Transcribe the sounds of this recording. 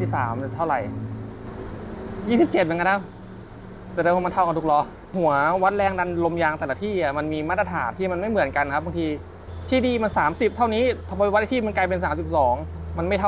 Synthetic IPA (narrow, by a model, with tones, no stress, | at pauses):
iː˥˩sa̰ː˩˦m˧t̪ʰa˥˩wɾa˨˩j | jiː˥˩si˨˩p̚t͡ɕe˨˩t̪̚mɯ˩˦ŋknt̪ʰa˦˥˩w | sɛ˨˩dɤː˧wʰaː˧ma˧nt̪ʰa˥˩wka˧t̪ʰu˦˥k̚lɔ˧ | hu˨˩˦ɐwa˦˥t̪̚lɛː˧ŋda˧nlo˧mjaː˧ŋt̪ɛː˨˩la˧t̪ʰiː˥˩ni˨˩ma˧nmiː˧maː˦˥˩t̪̚ːɾa˧t̪ʰa̰ː˩˦nt̪ʰiː˥˩ma˧nma˥˩jmɯ˨˩˦nka˧nkʰp̚ba˧ŋt̪ʰiː˧ | t̪ʰiː˥˩diː˧˩ma˧nsaː˩˦msi˨˩p̚t̪ʰa˥˩wniː˦˥t̪ʰpwa˦˥ʔa˧t̪ʰːma˧nkaː˧jpe˧nsaː˨˩˦mt͡ɕu˨˩t̪̚sɔː˩˦ŋma˧nma˥˩jt̪ʰa˥˩